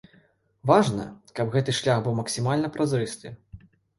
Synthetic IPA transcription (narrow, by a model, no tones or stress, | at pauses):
vaʐnɐ̰kɐbɣɛt̪ɨʂlʲaxbɨwmɐksʲimalʲnɐpɾʔazɾɨst̪ɨ